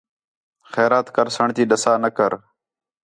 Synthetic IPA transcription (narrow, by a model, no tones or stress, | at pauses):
xɛːɾaːt̪kəɾsəɳt̪iːɗəsaːnəkəɾ